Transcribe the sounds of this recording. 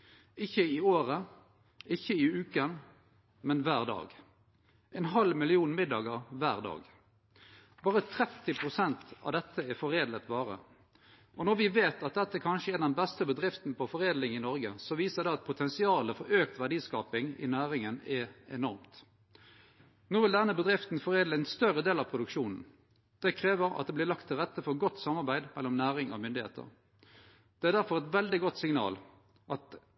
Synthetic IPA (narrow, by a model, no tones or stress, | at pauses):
ɪçːəɪoːʁə | ʔɪçːəɪʉːkən | mɛnʋæːʁd̪ɑ̰ːɡ | ʔɛnɦɑlmɪlɪuːnmɪd̪ːɑːɡəʁʋæːʁd̪ɑ̰ːɡ | bɑːʁət̪ʰɾɛt̪ːɪpʰʁʊsɛnt̪ɑ̰ʋd̪ɛt̪ʰːəɛfɔʁeːd̪lət̪bɑːʁə̰ | ɔnɔʁʋɪʋeːt̪ɑt̪̚d̪ɛt̪ːəækʰɑnʃəɛɾnd̪d̪ɛnbɛst̪əbəd̪ʁɪft̪n̩pʰɔfɔʁeːd̪lɪŋɪnɔɾɡəsɔʋiːsəd̪ɛɑt̪̚pʰʊt̪ʰɛnsɪɑːləfɔɾøːkt̪ʋæɖiːskɑːpɪŋɪ̰næːʁɪŋənɛɛ̰nɔʁmt̪ | noːʋɪld̪ɛnːəbəd̪ʁɪft̪n̩fɔʁeːdləɛnst̪œʁəd̪eːlɑpʰɾʊd̪ʉkʂuːnn̩ | d̪̥ɛkʰʁeːʋəɾɑ̰t̪̚d̪ɛblɪlɑkt̪ʰːɪlʁɛt̪ːəfɔɾɡɔt̪ːsɑmɑʁbæɪd̪mɛlːɔmnæːʁɪŋɔ̰mʏnd̪ɪhḛːt̪ʰə̰ʁ | d̪̥ɛæʁd̪æɾfɔʁɛt̪ʋɛld̪ɪɡɔt̪sɪŋnɑ̰ːl | ʔɑt̪